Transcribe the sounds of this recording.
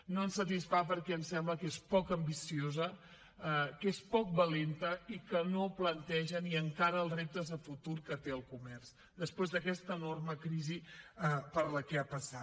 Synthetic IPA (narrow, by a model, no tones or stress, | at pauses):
noənsət̪isfapəɾkɛəmsɛmbləkespɔkəmbisiozə | kespɔk̚bəlent̪əikənoplənt̪ɛʒəniəŋkaɾəəlˠrep̚t̪əzðəfut̪uɾkət̪eəlˠkumɛrz̥ | d̪əspwezðəkɛst̪ənorməkɾizi | pəɾləkɛapəsat